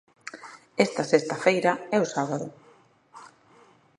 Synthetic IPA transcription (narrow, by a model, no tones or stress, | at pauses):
ɛst̪ɐsest̪ɐfejɾɐɛʊsaβ̞aðʊ̰